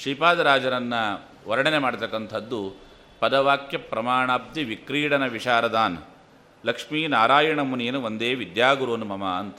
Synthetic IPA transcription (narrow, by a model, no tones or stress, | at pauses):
ʂiːpaːd̪ɐɾaːd͡ʒɐɾɐnːɐ | ʋɐɾɐɽɐnemaːɖt̪ɐkːɐnt̪ʰɐd̪ːu | pɐd̪ɐʋaːkjɐpɾɐmaːɳaːb̚d̪iʋikɾiːɽɐnɐʋiʂaːɾɐd̪aːn | lɐkʂmiːnaːɾaːjɐɳɐmuneːɐnuʋond̪eːʋid̪jaːɡuɾoːnumɐmaːɐnt̪ɐ